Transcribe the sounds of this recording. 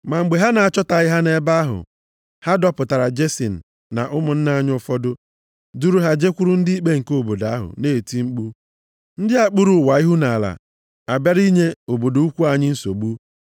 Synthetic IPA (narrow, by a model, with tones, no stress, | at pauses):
ma˨ŋ͡m̩˨ɡ͡be˨ɦa˦na˨a˨t͡ʃɔ˦ta˨ɣɪ˦ɦa˦ne˦ba˦ɦʊ̰˨ | ha˦dɔ˦pʊ˨ta˨ɾa˨d͡ʒe˦sḭ˨n̩˨ | na̰˨ʔʊ˦mʊ˨n̩˦na˦ɲʊ˦fɔ˦dʊ˦ | du˦ɾu˦ɦa˦d͡ʒe˦kʷu˦ɾu˦n̩˦dɪ˦i˦k͡pe˦ŋ̩˨ko˦˨bo˨da˨˦a˦ɦʊ̰˨ne˦˨ti˦ŋ͡m̩˦k͡pu˦ | n̩˦dɪ˦a˨k͡pu˦ɾu˨wa˨i˦ɦu˦na˨la̰˨ | a˨ba˦ɾi˦ɲe˦o˨bo˨do˨˦u˦kʷu˦a˨ɲɪ˦n̩˦so̰˨ɡ͡bu˦